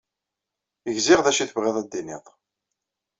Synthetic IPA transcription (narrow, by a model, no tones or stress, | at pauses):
əʝzɪʁðæʃiθəvʁeðˤæd̪ːinḭðˤ